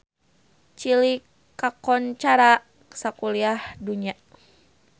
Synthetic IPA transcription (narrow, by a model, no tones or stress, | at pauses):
t͡ʃilikː | akɔnt͡ʃaɾa | sakuliahduɲa